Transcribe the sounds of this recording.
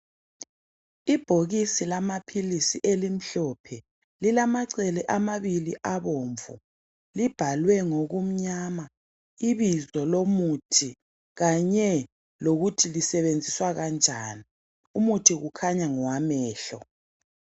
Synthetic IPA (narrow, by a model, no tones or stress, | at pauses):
ib̥ʱoɣisilamapʰilisiʔelim̩ɬɔpʰɛ | lilamaǀɛlɛʔamaβiliʔaβoːɱvṵ | lib̥ʱalwɛŋoɣum̩ɲama | iβizɔlomutʰi | ɣaɲɛ | loɣutʰilisɛβend͡zʱiswaɣand͡ʒʱaːni | umutʰiɣukʰaɲaŋɔwamɛːɬɔ̰